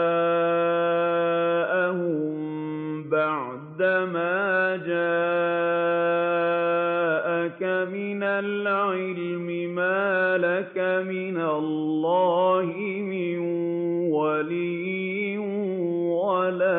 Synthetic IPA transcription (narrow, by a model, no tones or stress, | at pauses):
ʔahʊmm | baʕ | d̪amaːd͡ʒaː | ʔakamɪnalʕɪl | mɪmaːlakamɪnalːɑːhɪ | mɪn | walij | ɪn | walaː